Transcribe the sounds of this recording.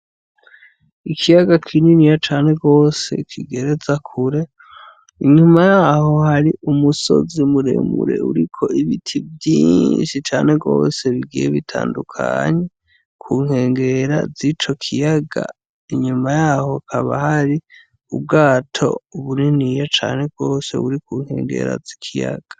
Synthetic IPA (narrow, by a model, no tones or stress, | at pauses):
ikʰijaɡakʰininijat͡ʃaːne̞ɡo̞ːse̞̰kʰiɡe̞ɾe̞zakʰuɾe̞ | iɲumajaho̞haɾiʔumuso̞̰zimuɾe̞̰mṵɾe̞̰ṵɾikʰo̞iβitʰibjiːɲnʃit͡ʃaːne̞ɡo̞̰ːse̞βiɡijeβitʰa̰ːndukʰa̰ɲe̞ | kʰuːŋ̥he̞ːŋɡe̞ɾa̰zit͡ʃo̞kʰijaɡa̰ | iɲumajaːho̞kʰaβahaɾi | ub̚ɡaːtʰo̞̰uβuninijat͡ʃaːne̞ɡ̚ɡo̞ːse̞̰βuɾikuːŋhe̞̰ːŋɡe̞̰ɾa̰zikʰija̰ɡ̥ḁ